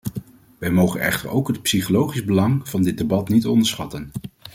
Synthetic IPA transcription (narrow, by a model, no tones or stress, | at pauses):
ʋɛjmowχənɛ̰χtə̰ɹo̰wkɦət̚psiχolowχizbəlɑŋv̥ɑndɪt̚debɑtnitɔndəɹsχɑtən